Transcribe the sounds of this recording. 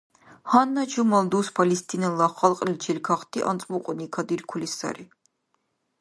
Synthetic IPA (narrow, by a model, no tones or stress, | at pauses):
hanːat͡ʃʰumald̪uspʰalist̪ʼʰinɛlaχalˠqʼlit͡ʃʰɛlkʰaχt̪ʰʼiʔa̰nt̪sʼmuqʼɔnikʰad̪iɾkʰulisa̰ɾi